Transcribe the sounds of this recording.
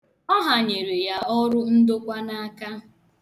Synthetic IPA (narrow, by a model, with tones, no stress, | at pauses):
ɔ˦ɦa˨ɲe˨ɾe˨ja˦ɔ˦ɾʊ˦n̩˦do˦kʷa˦na˦ka˦